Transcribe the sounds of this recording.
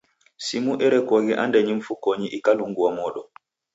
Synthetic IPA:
simuʔɛɾɛkɔɡiʔa̰ndɛɲiɱfukoɲiʔikaluŋɡuwamɔɗɔ

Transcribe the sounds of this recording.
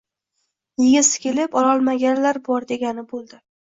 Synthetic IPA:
jɪɡʲɪsɪ̥kʲʰe̞lɪpɒlɒlˠmaɡʲanlaɾbɒɾd̪e̞ɡʲanɪbolˠd̪ɪ

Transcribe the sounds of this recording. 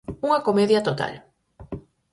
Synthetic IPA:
uŋakomeðjat̪ot̪a̰l

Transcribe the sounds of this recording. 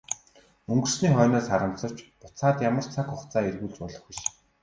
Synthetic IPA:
ɵŋɡɵ̆r̥sniːχɔːnɔːsaɾə̆m̥t͡sɞ̥̆t͡ɕpʊt͡saːt̪jamə̆r̥t͡sʰakʊχt͡saːerɣuːɮt͡spɔɮɞ̆χɡiʃ

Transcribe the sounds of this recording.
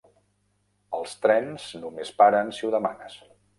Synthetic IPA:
əlˠst̪ɾɛnz̥numespaɾənsiuðəmanəs

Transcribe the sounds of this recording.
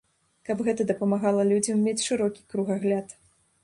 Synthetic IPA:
kɐbɣɛt̪ɐd̪ɐpɐmaɣalˠɐlʲud͡zʲɐmːʲet͡sʲʂɨɾɔkʲi̥kɾuɣaɣlʲat̪

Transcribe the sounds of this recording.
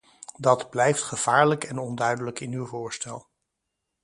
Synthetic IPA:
dɑdblɛjftχəv̥aːɹləkɛnɔndœɥdələkɪnywvʊːɹstɛlˠ

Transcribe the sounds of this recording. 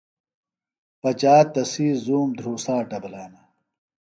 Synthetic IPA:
pɐt͡ɕaːt̪ːɐsiːzuːmd̪ʱɾuːsaːʈɐbɐlaːnɐ

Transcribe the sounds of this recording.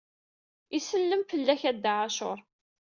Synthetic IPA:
isəlːəmfəlːæçæd̪ːaʕaʃʊɾˤ

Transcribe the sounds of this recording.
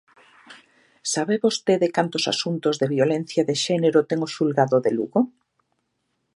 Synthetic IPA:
saβeβost̪eðekant̪osa̰sunt̪ozðeβjolɛn̟θjaðeʃɛneɾot̪ɛŋoʃulɣaðoðelṵɣo

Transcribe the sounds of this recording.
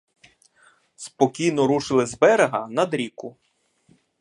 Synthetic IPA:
spɔkʲijnɔɾuʃɪlˠɪzbɛɾeɦɐnɐd̪ɾʲikʊ

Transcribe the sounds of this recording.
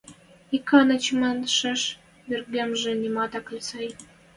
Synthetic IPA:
ikʰːɑnə̆t͡ɕmənʃɘ̆ʃ | merɡemʒĕnʲimɑt̪ɑkə̆lʲsɑj

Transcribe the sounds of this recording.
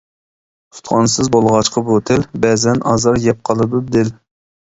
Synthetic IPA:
tʰu̥t̪χɑnsɨzbolˠʁɑt͡ʃqʰɑbot̪ʰɪlbɛːzɛnʔɑːzɑɾjɛp̚qʰɑlˠɨd̪ɨp̚d̪ɪl

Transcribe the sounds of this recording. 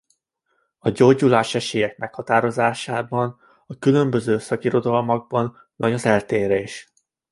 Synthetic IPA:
ɒɟoːɟulaːʃɛʃeːjɛk̚mɛkhɒt̪aːɾo̞zaːʃaːbɒn | ɒkylø̞mbø̞zøːsɒkiɾo̞d̪ɒlmɒɡ̚bɒn | vɒɟɒzɛlt̪eːɾeːʃ

